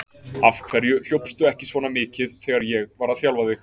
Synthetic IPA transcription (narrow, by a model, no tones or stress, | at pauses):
afkʰvɛɾjʏl̥jowpst̪ʏɛhcɪsvɔːnamɪːcɪðθɛɣaɾjɛɣvaːɾaθjawlvaðɪx